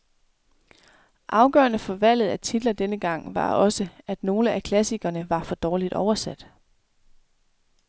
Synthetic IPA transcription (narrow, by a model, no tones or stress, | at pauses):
ʔɑ̈ʊɡ̥ɶ̰ːɐnəfɒ̽ʋæl̰ð̞̩ˠæt͡sʰid̥lɐd̥enəɡ̥ɑ̈ŋ̰ʋɑ̈ɒ̽səæd̥no̝ːləʔækʰlæsiɡ̥ɐnəʋɑ̈fɒ̽d̥ɒːlid̥ɒʊɐsæd̥